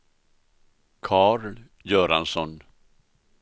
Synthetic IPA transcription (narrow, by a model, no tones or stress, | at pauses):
kʰɑːɾl | jœːɾa̰nsɔn